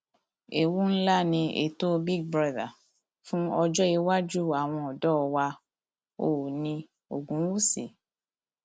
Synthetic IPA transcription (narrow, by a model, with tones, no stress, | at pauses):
e˨wu˦n̩˦la˦nĩ˧ʔḛ˨to˦bi˦ɡ̚bɾa˦ða˨ | fũ˦ɔ˧d͡ʒɔ˦i˧wa˦d͡ʒu˦a˨w̃ɔ̃˧ɔ˨dɔ˦˨wa˧ | o˨nĩ˧ | o˨ɡũ˨˦wu˦sḭ˨